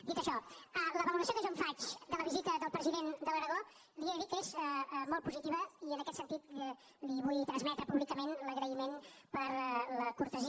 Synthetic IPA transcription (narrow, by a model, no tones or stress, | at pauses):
d̪it̪əʃɔələβəluləs̬ioðəʒoɱfat͡ʃd̪ələβizit̪əðəlˠpɾəziðend̪ələɾəðo | d̪iəðikəezəmɔlˠt̪̚puzit̪iβəiənəkɛt̪sənt̪it̪ | liβujt̪ɾənzmɛt̪ɾəpuβlikəmenləɣɾəimenpəɾləkuɾt̪əzi